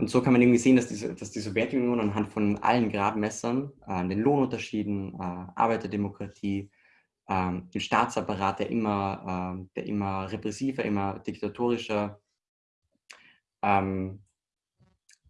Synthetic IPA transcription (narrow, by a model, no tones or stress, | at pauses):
ʔʊntz̥oːkʰanmanʔɪŋ̩viːzeːəndasd̥iːzəd̥asd̥iːzɔvjɛɐtunjoːnanɦantfɔnʔa̰lənɡʁaːdmɛsɐnʔɛːndeːnloːnʊntɐʃiːdn̩ʔɛːʔa̰ɐbaɪtɐdemokʁ̥atʰiː | ʔɛːɪnʃtaːt͡sapaʁaːt̚d̥eːɐʔɪ̰mɐʔɛːd̥eːɐʔɪ̰mɐʁepʁ̥ɛsiːvɐʔɪ̰mɐd̥ɪktatʰoːʁ̞ɪʃɐ | ʔɛːm